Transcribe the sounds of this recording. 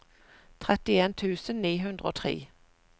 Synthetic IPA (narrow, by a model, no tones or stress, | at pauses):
t̪ʰʁɛt̪ɪeːnt̪ʰʉːsənniːɦʉnd̪ʁəo̰ːt̪ʰʁḛː